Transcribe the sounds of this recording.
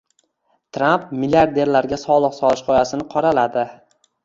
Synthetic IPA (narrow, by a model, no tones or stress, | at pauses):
t̪ɾamp̚milʲaɾd̪e̞ɾlaɾɡʲasɒlˠɨqsɒlˠɪʃqʰɒjasɪnɪqʰɒɾalad̪ɪ